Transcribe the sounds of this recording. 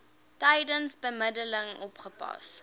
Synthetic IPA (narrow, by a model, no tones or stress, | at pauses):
tɐjdənsbəmədələŋɔpχəpɑ̰s